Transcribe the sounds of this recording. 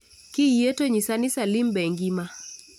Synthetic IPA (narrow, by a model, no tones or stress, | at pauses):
kijɛtɔɲisanisalimbɛŋɡima